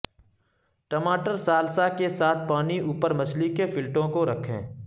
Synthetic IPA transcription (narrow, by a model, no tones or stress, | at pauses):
ʈəmaːʈəɾsaːlsakesaːt̪̚ʰpaːniʔuːpəɾmɐt͡ʃʰlikefɪlʈõkoɾɐkʰḛ̃ː